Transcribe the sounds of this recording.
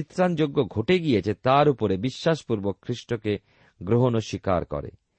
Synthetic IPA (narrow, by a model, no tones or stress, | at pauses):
it̪ːɾand͡ʑoɡːoɡʱoʈeɡijet͡ɕʰet̪aɾupoɾebiʃːaʃpuɾbokʰːɾiʃʈoke | ɡɾoɦonoʃika̰ɾkɔ̰ɾḛ